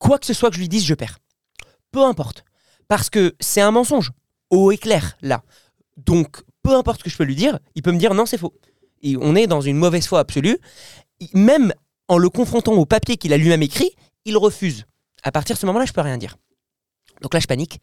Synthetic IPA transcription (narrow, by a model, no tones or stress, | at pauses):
kwakə̥səswakəʒəlɥid̪izʒəpɛːʁ | pøɛ̃pɔʁt̪ | paʁsə̥kəsɛt̪ɛ̃mɑ̃sɔ̃ʒ | oeklɛʁla̰ | d̪ɔ̃k | pøɛ̃pɔʁt̪səkəʒə̥pølɥid̪iʁilpøməd̪iʁnɔ̃sɛfo | eɔ̰̃nɛd̪ɑ̃zynmɔvɛz̥fwaːpsɔly | mɛm | ɑ̃ləkɔ̃fχɔ̃t̪ɑ̃opapjekilalɥimɛmekχi | ilʁəfyz | a̰paʁt̪iʁd̪əsəmɔmɑ̃laʒə̥pøʁjɛ̃d̪ḭʁ | d̪̥ɔ̃klaʒəpanik